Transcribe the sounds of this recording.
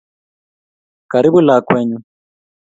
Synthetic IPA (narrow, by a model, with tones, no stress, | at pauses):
ka˨ɾi˦bu˦la˨kwɛː˦ɲu˦